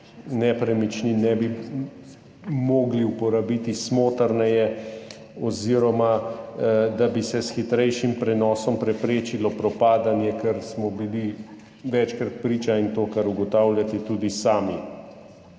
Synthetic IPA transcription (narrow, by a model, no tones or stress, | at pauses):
nɛpɾɛmit͡ʃninɛːbi | moːɡliupɔɾabiːt̪ismoːt̪əɾnɛjɛ | ɔziːɾɔma | d̪abisɛsxit̪ɾɛjʃimpɾɛnɔːsɔmpɾɛpɾeːt͡ʃilɔpɾɔpaːd̪anjɛkɛɾsmɔbili | ʋɛt͡ʃkɾat̪̚pɾiːt͡ʃaint̪oːkaɾuɡɔt̪aːwljat̪ɛt̪ud̪isaːmi